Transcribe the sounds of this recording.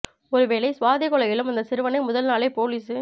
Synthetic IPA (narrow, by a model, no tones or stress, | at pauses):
ɔɾɯʋeːɭɐɪsʋaːðɪkɔɭɐɣɪlɯmɐnd̪ɐsɪɾɯʋɐnɐɪmʊðɐlnaːleːpoːliːsɯ